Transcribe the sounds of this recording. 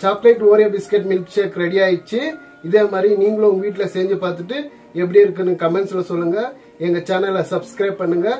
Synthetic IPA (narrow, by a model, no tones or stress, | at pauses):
t͡ʃaːplɐɪʈːoːɾeɐbɪskɛʈ̬ːmɪlt͡ʃekːɾɛɽijaːjɯt͡ʃːɯ | ɪðeːmaːd̪ɾiniːŋɡɐɭoːʊŋɡɐʋiːʈːɪlɐseːɲd͡ʒɯpaːɾt̪ɯʈːɯ | ɛp̬ːɐɽiɪɾɯkːɯnːɯkɐmɛɳʈslːɐsɔlːɯŋɡɐ | ɛŋɡɐt͡ʃaːnɐlsɐbskɾɐɪb̚pɐɳːɯŋɡɐ